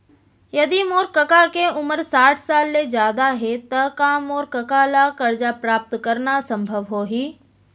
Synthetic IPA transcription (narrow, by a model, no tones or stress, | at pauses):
jɐd̪imoːɾkɐkakeʊməɾsaːʈʰsaːlːezjaːd̪aɦet̪ɐkãːmoːɾkɐkalakɐɾd͡ʒapɾaːp̚t̪kɐɾnasɐ̃mbʱəʋɦoːɦiː